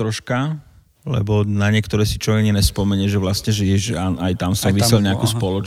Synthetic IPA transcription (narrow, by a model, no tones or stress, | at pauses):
ɾɔʃka | lɛ̰bɔnaɲɪɛkt̪ɔɾɛːsit͡ʃɔɛɲinɛspɔmɛɲɛʒɛʋlastɲɛʒɛjɛʒaajt̪amsɔʋisɛlɲɛakuspɔlɔt͡ʃ